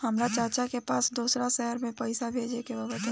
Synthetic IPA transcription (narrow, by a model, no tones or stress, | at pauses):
hɐmɾat͡ʃəɾt͡ʃakepaːsd̪uːsɾaʃɛɦəɾmẽpɐɪsabʱeːd͡ʒekebɐbət̪